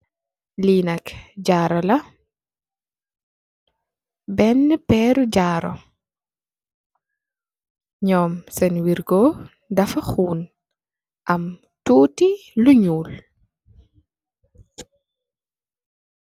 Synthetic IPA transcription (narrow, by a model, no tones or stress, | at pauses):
liːnɐkɟaːɾɔlɐ | bɛnːɛpɛːɾuɟaːɾɔ̰ | ɲɔːmsɛnwiɾɡɔ | dɐfɐxuːn | ʔɐm | tuːtiluɲuːl